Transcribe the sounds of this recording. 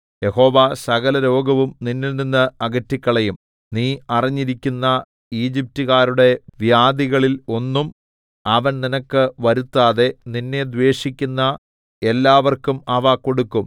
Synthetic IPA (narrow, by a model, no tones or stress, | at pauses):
je̞ho̞ːʋaːsɐɣɐlɐɾo̞ːɡɐʋumninːilninːɐɐɡɐtːikʲːɐɭejum | niːɐriɲːiɾikʲːunːɐ | iːd͡ʑip̚tuɣaːɾuɽe̞ʋjaːd̪iɣɐɭilo̞nːum | ɐʋɐnninɐkːɨʋɐɾut̪ːaːðe̞ninːe̞d̪ʋe̞ːʂikʲːunːɐ | e̞lːaːʋɐrkumɐʋaːko̞ɽukːum